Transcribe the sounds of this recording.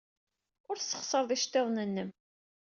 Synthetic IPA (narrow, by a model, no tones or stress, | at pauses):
ʊɾθsːə̥χsəɾˤðˤiʃt̪ːeðˤnənːəm